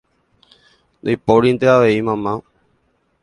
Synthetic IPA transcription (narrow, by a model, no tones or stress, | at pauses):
nojpoɾind̪eaʋe̞imãmã